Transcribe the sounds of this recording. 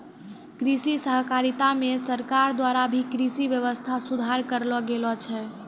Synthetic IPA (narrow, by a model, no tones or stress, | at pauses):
kɾisisəɦkaɾit̪amesəɾkaɾd̪waɾabʱikɾisiʋjəʋəst̪ʰasud̪ʱaɾkəɾlɔɡelɔt͡ʃʰɛ